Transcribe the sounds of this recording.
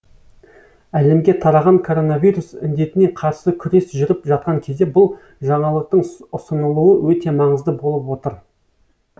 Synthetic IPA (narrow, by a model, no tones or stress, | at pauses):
æle̞mɡʲe̞t̪ʰɑɾɑʁɑŋkʰo̞ɾo̞navijɾusɪnd̪e̞t̪ɪne̞qʰɑɾsəkʲʰʏɾe̞sʒʏɾɪpʒɑt̪̚qɑŋkʲʰe̞zd̪e̞bʊlˠ | ʒɑɴɑlˠəq̚t̪əɴʊsənəlˠuəwʔɵt̪e̞mɑɴəzd̪əbo̞lˠəpwo̞t̪əɾ